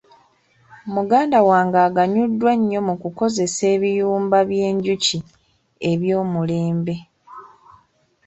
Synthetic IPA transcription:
muɡaːndawaːŋɡaːɡaɲudːwaɲːo̞mukuko̞ze̞se̞ːβijuːmbaβje̞ːɲɟuci | e̞βjo̞ːmule̞ːmbe̞

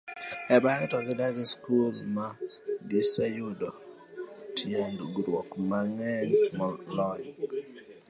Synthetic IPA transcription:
ɛbajtɔɡɪdaɡɪskulmaɡɪsajʊdɔ | tʰjendoɡɾwɔkmaŋɛnmɔlɔj

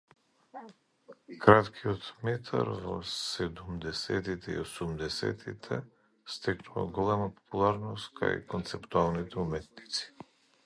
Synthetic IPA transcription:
kɾat̪kʰiɔt̪mɛt̪ʰa̰ɾvɔ̰sɛd̪umd̪ɛsɛt̪it̪ɛḭosumd̪ɛsɛ̰t̪ʰit̪ʰɛ | st̪ɛknuva̰ɡɔlɛmapo̥pulˠaɾnɔst̪kʰa̰jkɔnt̪sɛpt̪ualˠnit̪ɛumɛt̪nit̪si̥

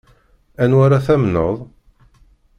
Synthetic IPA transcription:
ænwaɾaθæmnə̰ðˤ

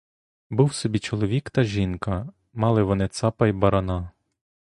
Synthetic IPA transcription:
buwsɔbʲit͡ʃɔlˠɔʋʲikt̪ɐʒʲinkɐ | mɑlˠɪʋɔnɪt̪sɑpɐjbɐɾɐnɑ

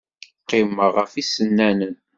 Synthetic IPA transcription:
qːɪməʁəfisənːænən

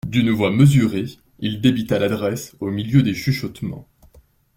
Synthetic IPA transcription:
d̪ynvwaməzyʁe | ild̪ebit̪alad̪ʁɛsomiljød̪eʃyʃɔt̪mɑ̰̃

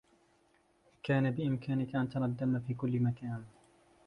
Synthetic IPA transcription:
kaːnabɪʔɪmkaːnɪkaʔant̪ɑɾad̪ːamafiːkʊlːmakaːn

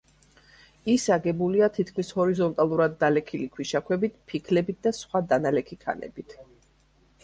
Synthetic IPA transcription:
isaɡɛbuliat̪ʰit̪ʰkʰmishɔɾizɔnt̪ʼalˠuɾad̪ːalɛkʰilikʰwiʃakʰwɛbit̪̚ʰpʰikʰlɛbit̪̚ʰd̪asχwad̪analɛkʰikʰa̰nɛ̰bit̪ʰ

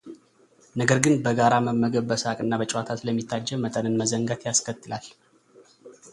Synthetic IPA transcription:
nəɡəɾɡɨnbəɡaɾaməmːəɡəβbəsakʼɨnːabət͡ʃʼwat̪ʰat̪ləmːit̪ʰːad͡ʒːɛmmːət̪ʼənɨnməzəŋɡat̪jaskʰət̪ʰːɨlal

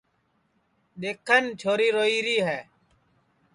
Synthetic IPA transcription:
ɗeːkʰənt͡ʃʰoːɾiːɾoːiːɾiːɦɛː

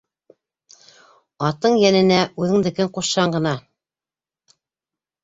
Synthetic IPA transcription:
ɑt̪ɤɴjænɘ̆næʔʉðɘŋd̪ɘ̆kɘɴquʃːɑɴɢɤ̆nɑ

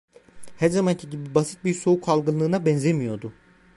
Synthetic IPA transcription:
hæɾzamancʰiɟibibasi̥t̪̚biɾso̞ukʰalˠɡɯnlˠɯːnabɛnzemijo̞d̪ʊ

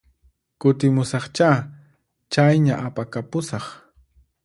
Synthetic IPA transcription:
kʊt̪ɪmʊsɑχt͡ʃa | t͡ʃajɲaʔapakapʊsɑχ

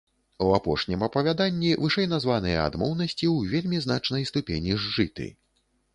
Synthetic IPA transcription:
uapɔʂnʲimɐpɐvʲad̪anʲːivɨʂɛjn̪azvanɨjɛ̰a̰d̪mɔwnɐsʲt͡sʲiwvʲelʲmʲizn̪at͡ʂnɐjst̪upʲenʲiʐːɨt̪ɨ̰

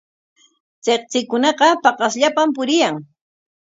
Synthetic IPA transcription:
t͡seqt͡sɪkʊnɑqɑpɑqɑsʎapampʊɾɪjaŋ

